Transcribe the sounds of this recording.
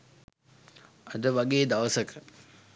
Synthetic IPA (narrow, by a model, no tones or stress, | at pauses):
ɐd̪əʋaɡeːd̪aʋəsəkʰə